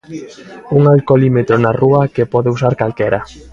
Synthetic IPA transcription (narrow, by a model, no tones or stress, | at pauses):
uŋalkolimet̪ɾonaruakepɔðeusaɾkalkɛɾa